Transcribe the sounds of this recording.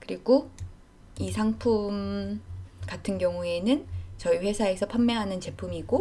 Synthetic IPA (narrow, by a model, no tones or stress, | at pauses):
kɯɾiɡo | isʰaŋpʰum | katʰɯnɡjʌŋue̞nɯnt͡ɕʌiɸwe̞sʰaesʰʌpʰamːeɦanɯnt͡ɕe̞pʰumiɡo